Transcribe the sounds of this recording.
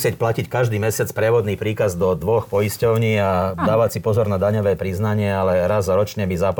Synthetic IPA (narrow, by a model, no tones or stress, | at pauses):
sɪɛcplacickaʒd̪iːmɛsɪat͡spɾɛʋɔd̪niːpɾiːkazd̪ɔd̪ʋɔxpɔjiscɔʊɲiːad̪aːʋat͡sipɔzɔɾnad̪aɲɔʋɛːpɾiznaɲɪɛalɛɾazɾɔt͡ʃɲɛbizap